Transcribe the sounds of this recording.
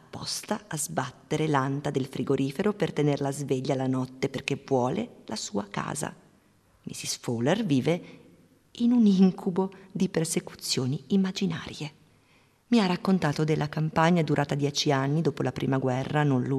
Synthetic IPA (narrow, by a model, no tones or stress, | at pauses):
apːɔ̰st̪aʔːzbat̪ːeɾelant̪ad̪elfɾʔiɡoɾʔiːfeɾopert̪enerlazveʎːalanɔt̪ːeperk̟evwɔːlḛlʔasuːaka̰ːza̰ | mḭsisfolerviːve | inuniŋkʰubod̪iperseku̥t̪sːjoːniimːad͡ʒina̰ːɾje | miarːakːont̪aːt̪od̪elːakampaɲːad̪uɾʔaːt̪ad̪jɛːt͡ʃianːid̪oːpolapɾʔḭːmaɡwɛrːanonlu